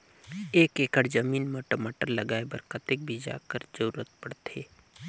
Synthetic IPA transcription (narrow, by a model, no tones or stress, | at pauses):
eːkeːkəɽd͡ʒəmiːnmoːʈəmaːʈəɾlɐɡaːebəɾkət̪ɪk̚bʱid͡ʒa̰ːkəɾzəɾuːɾət̪̚pɐɽt̪ʰeː